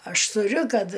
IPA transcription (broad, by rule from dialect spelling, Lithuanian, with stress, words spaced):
ˈɐʃ tʊˈrʲʊ ˈkɐt